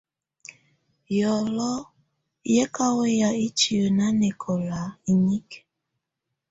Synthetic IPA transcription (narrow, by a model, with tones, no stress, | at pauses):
jɔ˨lɔ˦ | je˦ka˦we˦ja˨i˦t͡ʃi˨o˨na˦ne˨kʰɔ˨la˨i˨ɲi˦k